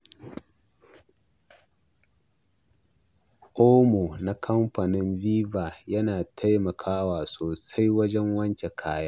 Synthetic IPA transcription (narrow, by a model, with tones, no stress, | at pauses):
ʔoː˦moː˨na˨kʰɐ˦mɸɐ˨nɪ˦nviː˦baː˨jɐ˦naː˨tʰa˦jmɐ˨kʰaː˦waː˨soː˨sa˦jwɐ˦d͡ʒɛ˦ŋwɐ˦nt͡ʃe˨kʰaː˦jaː˦